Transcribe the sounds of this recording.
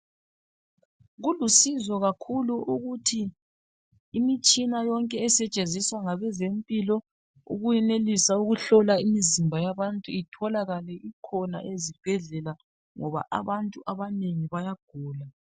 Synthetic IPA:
ɣulusizɔɣakʰuluʔuɣutʰi | mit͡ʃʼinajɔŋkʼɛːsɛt͡ʃʼenzʱiswaŋaβɛzempʼilɔ | ṵɣujɛnelisauɣuɬɔlaimizimbʱajaβantʼuitʰɔlaɣalɛʔikʰɔna̰ʔezib̥ʱɛɮɛla | ŋɔβa̰ʔa̰βantʼuʔaβaneŋiβajaɡ̥ʱuːla

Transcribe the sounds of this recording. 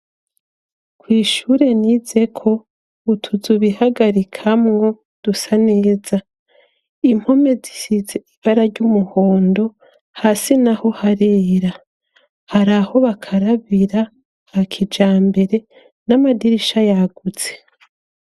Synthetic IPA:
kwiːʃuːɾe̞nize̞kʰo̞ | utʰuzuβihaɡaɾikʰamŋo̞ | d̥usaneːza | im̥ho̞me̞zi̥sizeiβaɾaɾɟumuhoːndo̞ | hasinaho̞haɾeːɾa | haɾaho̞βakʰaɾaβiɾa | hakʰid͡ʒaːmbe̞ɾe̞ | namadiɾiʃajaɡuz̥e

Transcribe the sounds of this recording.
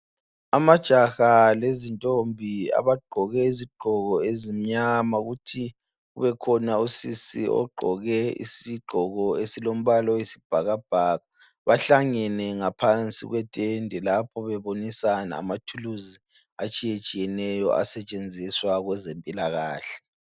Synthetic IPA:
amad̥ʒ̥ʱaxalezintʼombʱia̰βaɡ͡ǃʱɔɣɛiziɡ͡ǃʱɔɣɔezim̩ɲamaɣutʰi | uβɛkʰɔnausisḭʔɔ̰ɡ͡ǃʱɔɣɛḭsiɡ͡ǃʱɔɣɔesilom̩βalɔwesib̥ʱaɣab̥ʱaɣa | βaɬaŋɛnɛŋapʰant͡sʼḭɣwɛtʼendʱɛlapʰɔβɛβonisana̰ːmatʰuluzi | at͡ʃʼijet͡ʃʼijɛnɛjɔ̰a̰sɛt͡ʃʼend͡zʱiswaɣwɛzempʼilaɣaːɬɛ̥

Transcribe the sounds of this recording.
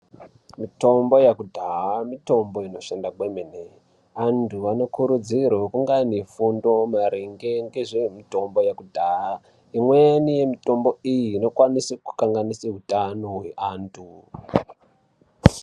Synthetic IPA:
mito̞mbo̞jakudʱaɦamito̞mbo̞ino̞ʃandakwemene | antʰuano̞kuɾud͡zirwakuŋɡanifundo̞maɾiŋɡe̞ŋɡeʐemito̞mbo̞jakudʱaa | imwenije̞mito̞mbo̞ijiːno̞kwanisiku̥kaŋɡaniseɦutanoɦweʔantʰu

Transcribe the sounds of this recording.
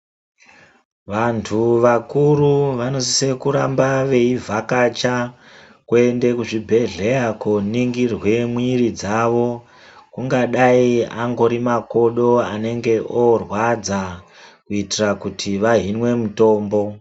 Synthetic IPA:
ʋantʰuʋakuɾuʋano̞si̥se̞kuɾambaʋe̞ivʱakat͡ʃa | kue̞nde̞kuʐibʱe̞ɮe̞akoniŋɡirwe̞mwiɾid͡zaʋo̞ | kuŋɡaɗaiaŋɡo̞ɾimako̞ɗo̞ane̞ŋɡe̞ʔorwad͡za | kuitirakutʰiʋaɦinwe̞muto̞ːmbo̞

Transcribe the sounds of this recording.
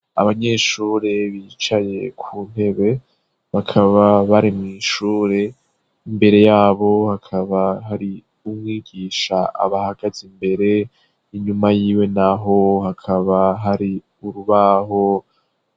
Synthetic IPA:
a̰βaɲe̞ːʃuːɾe̞βit͡ʃaje̞kʰuːn̥e̞βe̞ | βakʰaβaβaɾimŋiːʃuːɾe̞ | imbe̞ɾe̞jaːβo̞hakʰaβaɦaɾi | umŋiːɡiːʃaʔa̰βahaɡ̥azimbe̞ɾe̞ | iɲumajiːwe̞naɦo̞hakʰaβaɦaɾi | uɾuβaɦo̞

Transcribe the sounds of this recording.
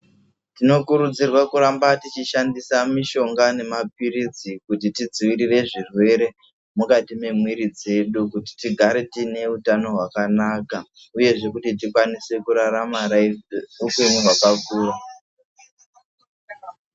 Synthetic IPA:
tino̞kuɾud͡zirwakuɾambatit͡ʃiʃandisamiʃo̞ŋɡane̞map̚iɾid͡zikutitid͡ziʋiɾire̞ʐirwe̞ɾe̞ | mukatime̞mwiɾid͡ze̞ɗukuti̥tiɡʱaɾetine̞utano̞ɦwakanaka | uje̞ʐe̞kutit̬ikwanise̞kuɾaɾamaraiukwemuɦwakakuːra

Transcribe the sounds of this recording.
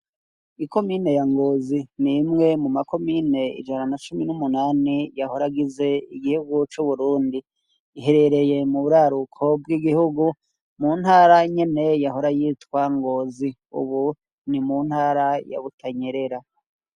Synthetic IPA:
iko̞miːne̞jaŋɡo̞ːzinimŋe̞mumako̞miːne̞ḭd͡ʒananat͡ʃuminumunaːnijaho̞ɾaɡize̞iɡihuɡut͡ʃuβuɾuːndiː | ɦe̞ɾe̞ɾe̞je̞muβuɾaɾukʰo̞bɡiɡihuɡu | munhaːɾaɲe̞ne̞jaɦo̞ɾajiːtwaŋɡo̞zi | ṵβu | nimun̥haːɾaja̰βutʰaɲe̞ɾe̞ɾa

